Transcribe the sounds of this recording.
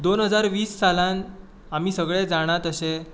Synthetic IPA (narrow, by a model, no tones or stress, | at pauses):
d̪onɦəd͡zaɾʋiːsːalãn | am̤iːsəɡɭed͡zaɽ̃at̪əɕe